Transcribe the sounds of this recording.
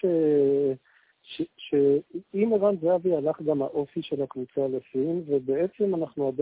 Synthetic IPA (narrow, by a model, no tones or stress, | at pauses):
e | ʃeʃeimeʁanzeavialaχɡamha̰ʔo̞fiʃe̞lakvut͡salesinve̞bee̞t͡se̞manaχnuad̪